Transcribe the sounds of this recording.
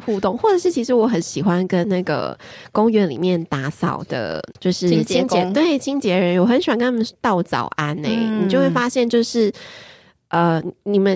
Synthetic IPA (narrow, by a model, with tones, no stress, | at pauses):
xu˥˧t̪o˥˨ŋxwɔ˥˩ʈ͡ʂɤ˨˩ʂɻ̩˥˩t͡ɕʰi˧˥ʂ̬ɻ̩˧˥wɔ˧˥xə˧˦nɕi˨˩xwa˦nkə˦nna˥˩ɡə̰˩kʊ˥ŋɥɛ˧˥nlḭ˨˩mjɛ˥˩nt̪a˧˥sɑ˨˩ʊd̪̥ə̰˩t͡ɕjo˥˧ʊʂɻ̩˥t͡ɕi˧˦ŋt͡ɕt̪we˥˩ɪt͡ɕʰi˥ŋt͡ɕjɛ˧˥ɻə˧˦nwɔ˨˩xə˧˦nɕa˧˦ŋkə˦na˥˩ə˨˦t̪ɑ˥˩ʊt͡sɑ̰˨˩ʊʔa˦˥nḛ˧ɪni˨˩t͡ɕjo˥˧we˥˩fa˥ɕjɛ˥˧nt͡ɕjo˥˧ʊʂɻ̩˥˩ | ʔə˧˩ni˨˩mə˦n